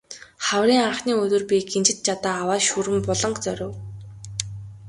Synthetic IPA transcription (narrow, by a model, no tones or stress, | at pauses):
χawriːŋaχniːɵt̪ɵ̆rpʲiɡent͡ɕɪ̆t̪̚t͡ɕʰat̪aːwaːʃuɾɘ̆mpɔɮɞ̆ŋɡt͡sœɾʲʊ̆w